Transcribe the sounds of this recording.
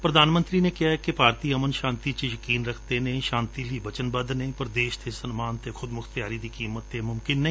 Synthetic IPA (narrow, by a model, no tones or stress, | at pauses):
pɾɐd̪aːnmə̃nt̪ɾinekɪjaɦɛkepaːɾt̪iɐmənʃãːnt̪it͡ʃejəkiːnɾɐkʰt̪enɐɦĩʃãːnt̪iliʋɐt͡ʃənbɐd̪nɐ̃ĩpɐɾd̪eːʃt̪ʰesənmaːnt̪ʰekʰʊd̪mʊkʰt̪jaːɾid̪ikiːmət̪ːemʊmkɪnːɐɦĩ